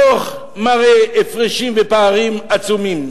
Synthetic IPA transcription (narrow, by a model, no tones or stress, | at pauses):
oχ | maʁeːfʁiʃimvepaːʁimat͡sumim